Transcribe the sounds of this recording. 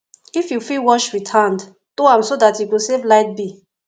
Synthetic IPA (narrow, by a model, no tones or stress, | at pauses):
ifjufilwɔʃɹitʰand | toãmsodatjukusevlaɪt̚bi